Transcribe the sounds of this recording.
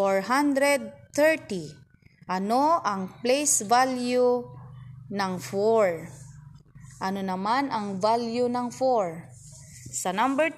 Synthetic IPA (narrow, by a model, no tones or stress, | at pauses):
oɹɦand̪ɾɛd̪̚t̪ɛɹt̪i | ʔɐnoʔɐŋplejsvalju | nɐŋfɔɹ | ʔɐnonɐmanʔɐŋvaljunɐŋfɔɹ | sɐnambɛɹ